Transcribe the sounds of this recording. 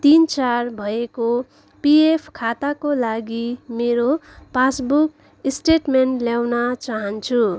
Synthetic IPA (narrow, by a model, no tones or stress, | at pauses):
t̪int͡sarbʱʌeko | piepʰkʰat̪akolaɡimeɾo | pasbuk | isʈeʈmenʈljawnat͡saɦʌnt͡sʰu